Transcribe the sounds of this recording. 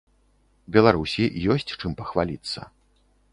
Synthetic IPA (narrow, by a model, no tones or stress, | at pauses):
bʲɛlˠaɾusʲijɔsʲt͡sʲt͡ʂɨmpɐxvalʲit̪sːɐ̰